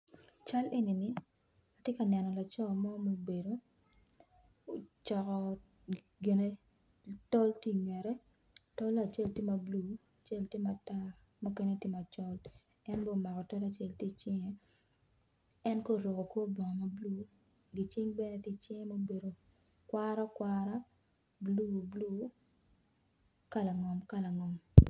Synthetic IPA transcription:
t͡ʃa˦lʔe˦ni˨ni˨ | a˨tje˦ka˨nɛ˨nɔ˨la˨t͡ʃɔ˦mɔ˦mo˦be˨do˦ | o˨t͡ʃɔ˨kɔ˨ | ɡɪ˨ne˦ | tɔ˦lti˦ɲwɛ˨ɾɛ˦ | tɔ˦la˨t͡ʃe˦˨ltje˦ma˨blu˦a˨t͡ʃe˦˨lte˦ma˨ta˦ | mu˦ke˦ne˦te˦ma˨t͡ʃɔ˦l | ɛ˦nbɔ˦˨ma˨kɔ˨tɔ˦la˨t͡ʃe˦lti˦t͡ʃɪ˦ŋe˦ | ɛ˦nko˦ɾɔ˨kɔ˨kwo˦bɔ˨ŋɔ˨ma˨blu˦ | ɡɪ˨t͡ʃɪ˦ŋbɛ˦ne˦tɪ˦t͡ʃɪ˦ŋe˦mo˦be˨ɾo˨ | kwa˦ɾa˦kwa˦ɾa˦ | bluː˦blu˦ | ka˦la˨ŋɔ˨mka˦la˨ŋɔ˨m

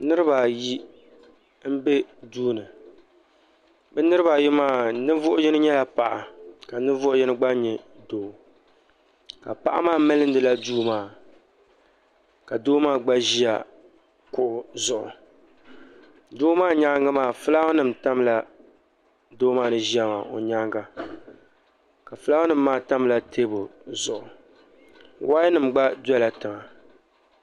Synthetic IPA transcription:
nɨ˦ɾɨ˦ba˨ji˦ | m̩˦bɛ˦duː˦nɨ˨ | bɛ˦nɨ˦ɾɨ˦ba˨ji˦maː˦˨nɨ˦vʊ˦ʔʊ˦jɛ˦nɨ˦ɲɛ˦la˨pa˨ʔa˨ka˨nɨ˦vʊ˦ʔʊ˦jɛ˦nɨ˦ɡ͡ba˦ɲɛ˨doː˨ | ka˨pa̰˨ʔa̰˦maː˦mɛ˦lɨ˦n̩˦dɨ˨la˦duː˦maː˦˨ | ka˨doː˦maː˦˨ɡ͡ba˦ʒi˦ja̰˨ | kʊ˦ʔʊ˨zʊ˨ʔʊ̰˨ | doː˦maː˦˨ɲa˦ŋɡa˦maː˨fɨ˦la˦hʊ˦nɨ˦˨m˨ta˦mla˨ | doː˦maː˦˨nɨ˨ʒi˦a˦ma˨ʔo̰˨ɲaː˦ŋɡa˦ | ka˨fɨ˦la˦hʊ˦nɨ˦˨m̩ː˦aː˦ta˦m˦la˦tʰe˦bʊ˨zʊ˨ʔʊ˨ | waː˦nɨ˨mɡ͡ba˦dɛ˦la˨tɨ˨ma˨

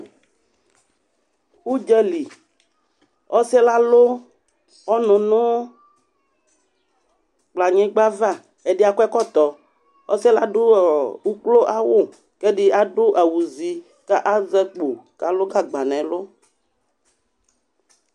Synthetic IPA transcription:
wu˦d͡ʒɛ˦li˨ | ɔ˦sɛ˦la˦lo˦ | ɔ˦nũ˨nõ˦ | k͡pla˨ɲẽ˦ɡ͡ba˦va˦˨ | e˦ɖi˦a˨kɛ˦kɔ˦t̪ɔ˨ | ɔ̰˦sɛ˦la˦ɖo˦˨u˦klo˦ʔa˦wo˦˨ | kɛ˦ɖi˦a˨ɖo˦ʔa˨wu˨zi˨ | ka˦ʔa˦zɛ˦k͡po˨ka˦lo˦ɡa˦ɡ͡ba˨nɛ̃˨lo˦

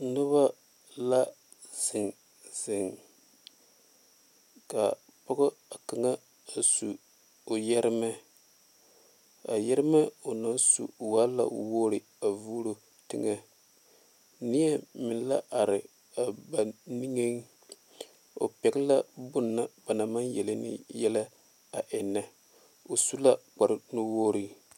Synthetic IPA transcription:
nʊ˦βa˦ | la˦ | z̥ɪ˨ŋ | z̥ɪ˨ŋ | ka˨ | pʊ˦ɡʊ˦a˨ka˨ŋa˦ | a˨su˨ | o˨jɛ˦ɾɪ˦mɛ˦ | a˨jɛ˦ɾɪ˦mɛ˦o˨na˦nsṵ˨waː˦la̰˨˦woː˦ɾɪ˨ | a˨vu˦ɾo˦ | tɨ˦ŋa˦ | nɪ˦ɛ˦mɪ˨n˦la˦ʔa˨ɾɪ˨ | a˨ba˨ni˦ŋe˦ŋ˦ | o̰˨pɛ˨ɡɪ˦la˦bʊ˦nːa˦b̥a˨na˨ma˦njɛ˨lɪ˦nɪ̰˦jɛ˦la˦ | a˨ʔɛ˨nːa˨ | o˨su˦la˦k͡pa˨ɾnu˦woː˦ɾi˦

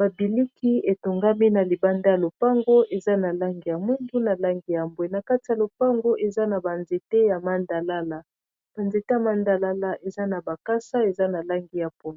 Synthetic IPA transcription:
ba˨bi˨li˦kʰi˦e˨to˨ŋɡa˦mi˦na˨li˨ba˦nda˦ja˨lo˨pa˦ŋɡo˦ʔe˨za˦na˨la˦ŋɡi˨ja˨mwi˦ndu˦na˨la˦ŋɡi˨ja˨mbwe˨na˨ka˦ti˨ja˨lo˨pa˦ŋɡo˦ʔe˨za˦na˨ba˨nze˨te˦ja˨ma˨nda˨la˦la˨ | b̥a˨nze˨te˦a˨ma˦nda˨la˦la˦ʔe˨za˦na˨ba˨ka˦sa˦e˨za˦na˨la˦ŋɡi˦ja˨po˦na˨

